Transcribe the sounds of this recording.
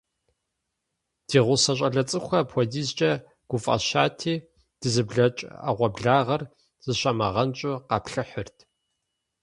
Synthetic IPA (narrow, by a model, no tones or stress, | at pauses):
d̥iːʁʷʊsɐɕ̬ʼɐɮɐt͡sʼɨxʷɐpʰʷɔdiːzt͡ʃʼɐ | ɡ̥ʷʊfʼɐ̰ʃaːtʰiː | d̥ɨzɨbɮɐt͡ʃʼa̰ʁʷɔbɮaːʁɐr | z̥ɨɕʼɐmɐʁɐnt͡ʃʼʊqɑpɬɨħʊrtʰ